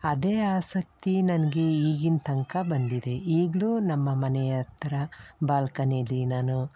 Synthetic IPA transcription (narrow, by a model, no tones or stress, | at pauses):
ɐd̪e̞ːaːsɐk̚t̪inɐnɐɡe̞iːɡint̪ʰɐŋkɐbɐnd̪id̪e̞iːɡɭuːnɐmːɐmɐnɛjɐt̪ːɐɾɐbaːlkɐnelːinaːnu